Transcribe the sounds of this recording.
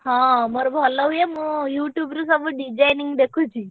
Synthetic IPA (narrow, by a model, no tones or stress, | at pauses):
ɦãməɾobʱɔlːaɦujemũjuːʈjubɾũs̬əʋũɖid͡ʒajniŋɡd̪ekʰũt͡ʃʰi